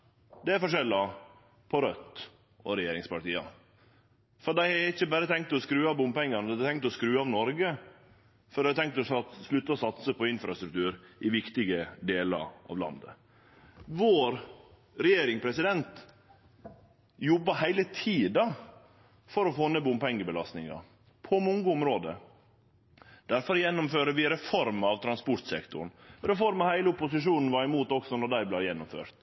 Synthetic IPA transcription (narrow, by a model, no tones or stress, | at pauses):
d̪ɛæɾfɔʂɛlːɑ | pʰɔɾœt̪ː | ɔɾɛjeːɾɪŋspɑʈiːɑ̰ | fɔɾd̪æɪɛɪçːəbæɾət̪ʰɛŋk̚t̪ɔskɾʉːɑʋbʊmpɛŋːɑnd̪t̪ɛŋkt̪ɔskɾʉːɑʋnɔɾɡə | fɔɾɖ̪æɪt̪ʰɛŋk̚t̪ɔʃɭʉt̪ːəɔsɑt̪səpʰɔɪnfɾɑst̪ɾʉk̚t̪ʰʉːɾʔɪʋɪkt̪ɪɡəd̪eːlɑ̰ɾɑ̰ːʋlɑ̰nd̪ə̰ | ʋoːɾ | ɾɛjeːɾɪŋpʰɾɛsɪd̪ɛnt̪ | jɔbːɑhæɪlət̪ʰiːd̪ɑ | fɔɾɔfoːnebʊmpʰɛŋːəbəlɑst̪nɪŋɑ̰ | pʰɔmɔŋɡəʊmɾoːd̪ə̰ | d̪̥æɾfɔɾjɛnːʊmføːɾəʋɪɾɛfɔɾmɑʋt̪ʰɾɑnspɔɾt̪sɛ̰kt̪ʊ̰ɾɳ̩ɾɛfɔɾmɑhæɪləʊpʊsɪʂuːnn̩ʋɑɾɪmuːt̪ɔksɔnɔɖ̪æɪblæjɛnːʊmfø̰ːɾt̪